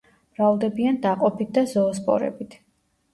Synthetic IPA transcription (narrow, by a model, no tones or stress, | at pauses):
mɾavlˠd̪ɛbiand̪aqʼɔpʰit̪̚ʰd̪azɔːspʼɔ̰ɾɛ̰bit̪ʰ